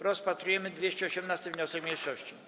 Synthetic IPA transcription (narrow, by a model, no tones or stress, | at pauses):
ɾɔspat̪ɾujɛmɘd̪vʲjeɕt͡ɕɛɔɕɛmnast̪ɘvɲɔsɛkmʲejʂɔɕt͡ɕi